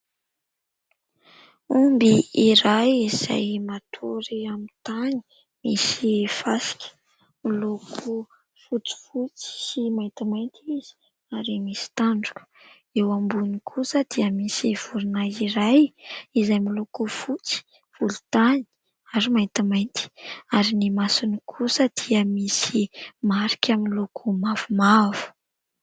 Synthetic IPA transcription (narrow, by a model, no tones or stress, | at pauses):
umbiiɾajiz̥a̰jmat̪ʰoɾiamit̪ani̥ | misifasi̥kʲə̥ | milokʰu | fut͡si̥fut͡si̥simaj̪t̪imajnt̪iz̥i̥ | aɾimisi̥t̪aɳɖ͡ʐukə̥ | ewambunikʰusəd̪̥iəmisiv̥uɾunaiɾajizajmilokufut͡si̥ | v̥ulut̪ani̥ | aɾimaj̪t̪imajnt̪i̥aɾinimasunikʰusəd̪̥iəmisimaɾi̥kʰʲaminlokʰumavumav̥u̥